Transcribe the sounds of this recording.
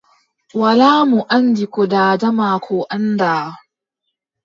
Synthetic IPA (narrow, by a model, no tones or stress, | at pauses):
wɐlaːmuʔandikɔdaːdɐmaːkʰoʔandaː